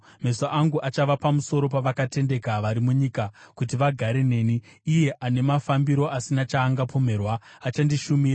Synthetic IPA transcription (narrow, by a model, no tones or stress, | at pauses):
me̞soʔaŋɡuʔat͡ʃaʋapamuso̞ɾo̞paʋakate̞nde̞kaʋaɾimuɲikakutiʋaɡʱaɾe̞ne̞ːniːje̞ʔane̞mafambiɾo̞ʔasinat͡ʃaːŋɡapo̞me̞ːrwaːt͡ʃandiʃumiːra